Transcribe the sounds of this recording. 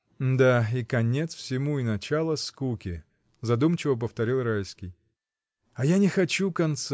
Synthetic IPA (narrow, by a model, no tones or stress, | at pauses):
d̪aikɐnʲet̪sfsʲɪmuɪnɐt͡ɕalˠəskukʲɪ | zɐd̪umt͡ɕɪvəp̬əft̪ɐɾʲilˠrajskʲɪj | ɐjanʲɪxɐt͡ɕukɐnt̪s